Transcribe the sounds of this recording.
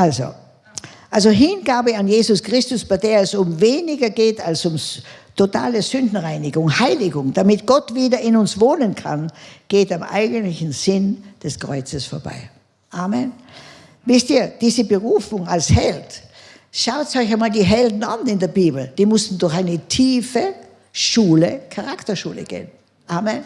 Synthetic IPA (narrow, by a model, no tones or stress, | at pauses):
ʔalzo̰ | ʔalzoɦɪnɡaːbəanjeːzʊskʁ̥ɪstʊsb̥aɪdeːɐɛsʊmveːnɪɡɐɡeːtalsʊmtʰota̰ːləzʏndn̩ʁaɪnɪɡʊŋhaɪlɪɡʊŋd̥amɪtɡ̥ɔtv̥iːdɐɪnʊnsvoːnənkʰa̰nɡ̥eːtamʔa̰ɪɡntlɪçn̩z̥ɪnd̥ɛskʁ̥ɔ̰ʏt͡səsfoːɐba̰ɪ | ʔaːmɛn | vɪstiːɐd̥iːzəbəʁuːfʊŋalshɛlt | ʃaʊtsɔɪçaɪmaːldiːɦɛldn̩anɪndeːɐbiːbl̩d̥iːmʊsn̩dʊɐçaɪnətʰiːfə | ʃuːləkʰaʁaktɐʃuːlə̰ɡ̥ḛːən | ʔaːmɛn